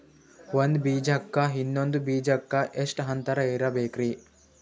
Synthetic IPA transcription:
ʋɐnd̪biːd͡ʒɐkːɐɦinːond̪ubiːd͡ʒɐkːɐʔesʈɦɐnt̪ɐɾɐeːɾɐbeːkɾi

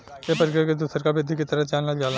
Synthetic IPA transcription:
jepəɾɪkɾeked̪uːsəɾkabɪd̪ʱikit̪ɐɾət͡ʃaːlnaɡaːl

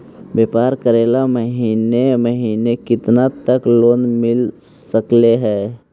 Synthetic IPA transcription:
beːpaːɾkəɾeːlaməɦiːneməɦiːnekɪt̪nat̪əkloːnmɪlsəkleɦɛː

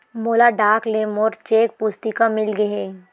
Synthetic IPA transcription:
moːlaɖaːklemoːɾt͡ʃeːk̚pʊst̪ikamɪlɡɐɦeː

